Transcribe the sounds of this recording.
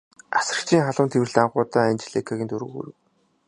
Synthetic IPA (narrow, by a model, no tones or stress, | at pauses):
asə̆r̥̆kt͡ɕʰiːŋχaɮʊ̆ːnt̪ʰewɘ̆ɮt̪aɴɢʊːt̪aːanʲt͡ɕɮekʰaɣʲiːnt̪ʰɵɾɵ̰ːɣṵːɾɘ̆w